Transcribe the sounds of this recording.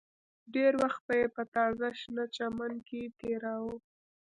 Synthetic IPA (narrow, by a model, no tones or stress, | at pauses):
ɖeɾwaxt̪̚bəjepət̪ɑzaʃnat͡ʃamanket̪eɾawu